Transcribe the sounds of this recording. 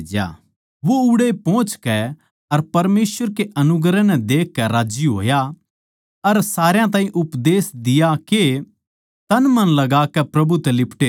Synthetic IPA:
d͡ʒa̰ | ʋoʊɽepɔ̃ːt͡ʃkɛ | ɐɾpɐɾmeːsʋəɾkeʔɐnʊɡɾɛnɛd̪eːkːɛɾaːd͡ʒjiɦo̰ːja | ɐɾsaːɾejãt̪̬ãːĩʔʊpd̪eːsd̪ɪjake | t̪ɐnmɐ̃nlɐɡaːkɛpɾɐbut̪ɛlɪpʈe

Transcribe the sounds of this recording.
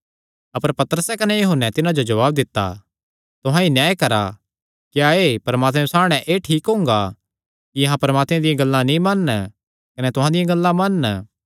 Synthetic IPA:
ɐpəɾpɐt̪əɾəsɛkɐnɛjoɦʊnːɛt̪ɪnãd͡ʒod͡ʒɐʋaːb̚d̪ɪt̪ːa̰ | t̪ʊɦãinjaːekɐɾa̰ | kjaeːpɐɾmaːt̪mɛ̃saːɽ̃ɛʔeːʈʰiːkɦʊ̃ŋɡa | kiɐɦãpɐɾəmaːt̪mẽd̪ɪjãɡɐlːãnĩmɐnː | kɐnɛt̪ʊɦãd̪ɪjãɡɐlːãmɐnː

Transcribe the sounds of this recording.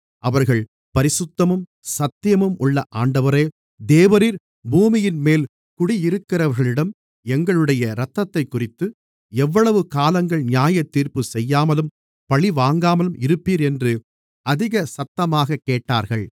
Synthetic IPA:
ʔɐʋɐɾɣɐɭ | pɐɾɪsɯt̪ːɐmɯm | sɐt̪ːɪjɐmɯmʊɭːɐʔaːɳɖɐʋɐɾeː | d̪eːʋɐɾiɾ | buːmɪjɪnmeːl | kʊɽiɪɾɯkːɪrɐʋɐɾɣɐɭɪɽɐm | ɛŋɡɐɭɯɽɐjɐɾɐt̪ːɐt̪ːɐɪkːʊrɪt̪ːɯ | ɛʋːɐɭɐʋɯkaːlɐŋɡɐɭnjaːjɐt̪ːiːɾpɯsɛjːaːmɐlɯm | pɐɭiʋaːŋɡaːmɐlɯmɪɾɯpːiːɾɛndrɯ | ɐðɪɣɐsɐt̪ːɐmaːɣɐkːeːʈːa̰ːɾɣɐɭ

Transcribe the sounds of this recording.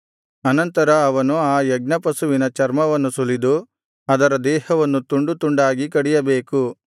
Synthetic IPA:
ɐnɐnt̪ɐɾɐːʋɐnuaːjɐɡ̚nɐpɐsuʋinɐt͡ʃɐɾmɐʋɐnːusulid̪u | ɐd̪ɐɾɐd̪ɛːɦɐʋɐnːut̪uɳɖut̪uɳɖaːɡikɐɽijɐbeːku

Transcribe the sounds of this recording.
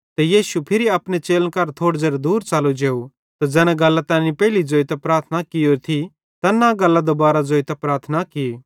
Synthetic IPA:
t̪ɛjiːʃupʰɪɾiapñet͡ʃeːlənkɐɾt̪ʰoːɽd͡zeːɾd̪uːɾt͡ʃaːlod͡ʒeːu | t̪ad͡zɛːnãɡɐlːat̪ãːnipɛːlid͡zoːit̪apɾaːɾt̪ʰnakɪjoɾt̪ʰi | t̪anaɡɐlːad̪obaːɾad͡zoːit̪ɐpɾaːɾt̪ʰnakɪ

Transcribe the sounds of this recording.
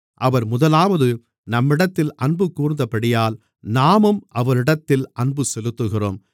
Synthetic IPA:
ʔɐʋɐɾmʊðɐlaːʋɐðɯ | nɐmːɪɽɐt̪ːɪlʔɐɳbɯkːuːɾɯnd̪ɐpɐɽɪjaːl | naːmɯmʔɐʋɐɾɪɽɐt̪ːɪlʔɐɳbɯsɛlɯt̪ːɯɣɪro̰ːm

